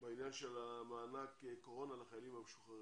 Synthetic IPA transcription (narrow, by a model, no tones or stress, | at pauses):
bainjanʃelamaːnakeko̞ʁo̞nalaχajalimameʃuχaʁ